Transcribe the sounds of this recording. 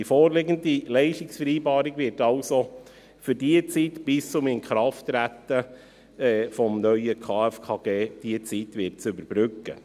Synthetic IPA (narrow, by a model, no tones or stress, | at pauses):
ifoːɾlɪɡəndilɛɪʃtɪksfɛɾiːbɑːɾɪɡvɪɾtɑlso | fyɾdiət͡sitb̥ɪst͡sʊmɪnkχɾɑftɾæt̪ə | ɛfɔmnœʏəkʰɑːɛfkʰɑɡ̥eːd̥iət͡sitvɪt̚t͡sʏbəɾb̥ɾʏkːə̰